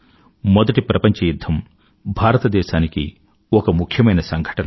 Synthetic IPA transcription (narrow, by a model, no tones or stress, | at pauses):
mɔd̪ɐʈipɾɐpɐɲt͡ʃɐjud̪ʱːɐm | bʱaːɾɐt̪ɐd̪ɛːʃaːnikḭ | ɔkɐmukʰjɐmɐjnɐsɐŋɡʱɐ̥ʈɐnɐ